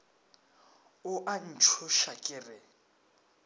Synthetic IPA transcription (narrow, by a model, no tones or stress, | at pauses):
ʊʔan̩t͡ʃʰʊʃakʼɪrɪ